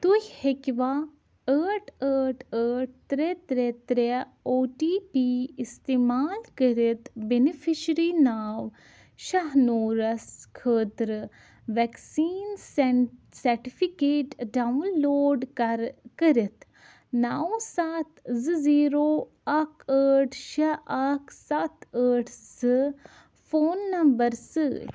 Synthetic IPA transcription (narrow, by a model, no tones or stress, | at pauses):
t̪ujʲhekʋaː | əːʈʰəːʈʰəːʈ̚ʰt̪ɾet̪ɾet̪ɾe | oːʈiːpiːist̪eːmaːlkəɾit̪benifʰiʃɾiːnaːʋ | ʃɐɦnoːɾɐskʰəːt̪ɾɨ | ʋɛksiːnssɐɾʈifʰikeːʈɖawnloːɖkəɾɪt̪ | naːwsaːt̪zɨziːɾoː | ɐkəːʈʰʃɐʔakʰsɐt̪əːʈʰsɨ | foːnːɐmbəɾsɨ